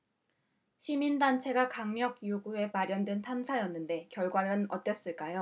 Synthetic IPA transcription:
ɕʰimindant͡ɕʰe̞ɡakaŋɲʌɡ̚joɡue̞maɾjʌndwentʰamsʰajʌnːɯnde̞kjʌɭɡwaɾɯnʌt͈ʌs͈ɯɭk͈ajo

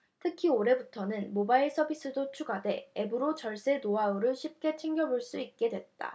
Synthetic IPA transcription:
tʰɯkʰioɾe̞butʰʌnɯnmobaiɭs͈ʰʌbis͈ɯdot͡ɕʰuɡade̞ebɯɾot͡ɕʌɭs͈enoaoɾɯɭɕʰip̚k͈e̞t͡ɕʰiŋɡjʌboɭs͈uit̚k͈e̞dwe̞t̚t͈a̰

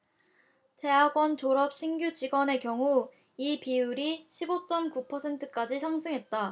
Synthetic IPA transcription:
te̞ɦaɡwʌnt͡ɕoɾʌp̚ɕ͈ʰiŋɡjud͡ʑiɡwʌne̞kjʌŋu | ipiuɾiɕʰibot͡ɕ͈ʌmkupʰʌsʰe̞ntʰɯk͈ad͡ʑisʰaŋsʰɯŋɦe̞t̚t͈a

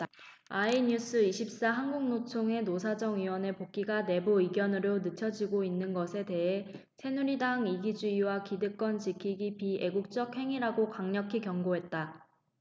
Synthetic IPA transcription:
aiɲus͈ʰɯiɕʰip̚s͈aɦanɡuŋnot͡ɕʰoŋe̞nosʰad͡ʑʌŋɥiwʌne̞pok̚k͈iɡane̞buiɡjʌnɯɾonɯt͡ɕʰʌd͡ʑiɡoinːɯnɡʌsʰe̞te̞ɦe̞sʰe̞nuɾidaŋiɡid͡ʑuiwakidɯk͈wʌnt͡ɕikʰiɡipie̞ɡuk̚t͡ɕ͈ʌk̚he̞ŋiɾaɡokaŋɲʌkʰikjʌŋɡoɦe̞t̚t͈a

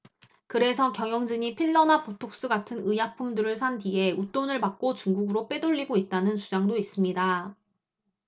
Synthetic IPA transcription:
kɯɾe̞sʰʌkjʌŋjʌŋd͡ʑɯɲipʰiɭːʌnapotʰok̚s͈ɯɡatʰɯnɯjapʰumdɯɾɯɭsʰantie̞ut͈onɯɭpak̚k͈ot͡ɕuŋɡuɡɯɾop͈e̞doʎːiɡoit̚t͈anɯnt͡ɕud͡ʑaŋdois͈ɯmɲida

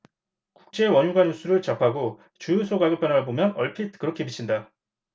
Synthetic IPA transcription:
kuk̚t͡ɕ͈e̞wʌɲuɡanjus͈ʰuɾɯɭt͡ɕapʰaɡo | t͡ɕujusʰoɡaɡɯɭpʰjʌnaɾabomjʌnʌɭpʰitʰkɯɾʌkʰe̞pit͡ɕʰinda

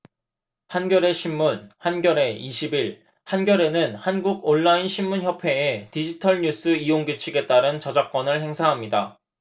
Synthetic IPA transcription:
hanɡjʌɾe̞ɕʰimːunhanɡjʌɾe̞iɕʰibiɭ | hanɡjʌɾe̞nɯnhanɡuɡoɭːainɕʰimmunçjʌpʰe̞ːtid͡ʑitʰʌɭɲus͈ʰɯioŋɡjot͡ɕʰiɡe̞t͈aɾɯnt͡ɕʌd͡ʑak̚k͈wʌnɯɭhe̞ŋsʰaɦamɲida

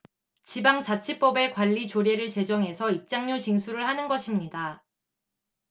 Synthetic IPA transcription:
t͡ɕibaŋt͡ɕat͡ɕʰip͈ʌbe̞kwaʎːit͡ɕoɾjeɾɯɭt͡ɕe̞d͡ʑʌŋɦe̞sʰʌip̚t͡ɕ͈aŋɲot͡ɕiŋsʰuɾɯɭhanɯnɡʌɕʰimɲida

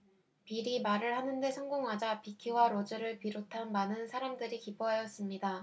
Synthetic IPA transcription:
piɾimaɾɯɭhanɯnde̞sʰʌŋɡoŋɦad͡ʑapikʰiwaɾod͡ʑɯɾɯɭpiɾotʰanmanɯnsʰaɾamdɯɾikiboɦajʌs͈ɯmɲida

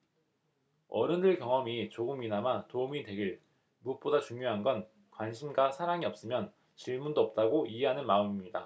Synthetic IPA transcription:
ʌ̰ɾɯndɯɭkjʌŋʌmit͡ɕoɡɯminamatoumite̞ɡiɭ | muk̚p͈odat͡ɕuŋɲjoɦanɡʌn | kwanɕʰimɡasʰaɾaŋiʌp̚s͈ɯmjʌn | t͡ɕiɭmundoʌp̚t͈aɡoʔiɦeɦanɯnmaɯmimɲida

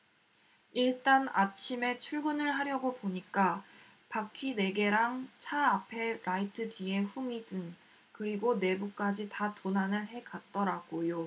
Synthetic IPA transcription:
iɭt͈anat͡ɕʰime̞t͡ɕʰuɭɡunɯɭɦaɾjʌɡopoɲik͈a | pakʰine̞ɡe̞ɾaŋt͡ɕʰaapʰe̞ɾaitʰɯdɥie̞ɸumidɯn | kɯɾiɡone̞buk̚k͈ad͡ʑitatonɦanɯnɦe̞kat̚t͈ʌɾaɡ̥ojo

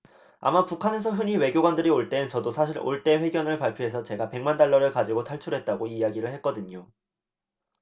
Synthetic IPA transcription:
a̰mapukʰane̞sʰʌɦɯɲiwe̞ɡjoɡwandɯɾioɭt͈e̞nɯnt͡ɕʌdosʰaɕ̬ʰiɾo̰ɭt͈e̞ɸe̞ɡjʌnɯɭpaɭpʰjoɦe̞sʰʌt͡ɕe̞ɡape̞ŋmandaɭːʌɾɯɭkad͡ʑiɡotʰaɭt͡ɕʰuɾɦe̞t̚t͈aɡoijaɡiɾɯɭhe̞t̚k͈ʌdɯɲo

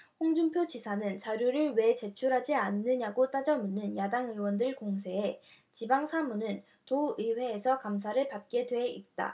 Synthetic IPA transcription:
ɸoŋd͡ʑuŋpʰjod͡ʑisʰanɯnt͡ɕaɾjoɾɯɭwe̞t͡ɕe̞t͡ɕʰuɾɦad͡ʑianːɯɲaɡot͈ad͡ʑʌmunːɯnjadaŋɯwʌndɯɭkoŋs̬ʰe̞e | t͡ɕibaŋsʰamunɯn | toɯwe̞ːsʰʌkamsʰaɾɯɭpat̚k͈e̞dwe̞it̚t͈a̰

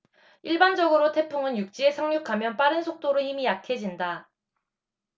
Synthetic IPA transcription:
iɭband͡ʑʌɡɯɾotʰe̞pʰuŋɯnjuk̚t͡ɕ͈ie̞sʰaŋɲukʰamjʌnp͈aɾɯnsʰok̚t͈oɾohimijakʰe̞d͡ʑinda

